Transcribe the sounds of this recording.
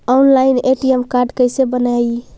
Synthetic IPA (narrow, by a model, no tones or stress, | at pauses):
ɔnlaineʈiemkaɾɖkəjsebənaj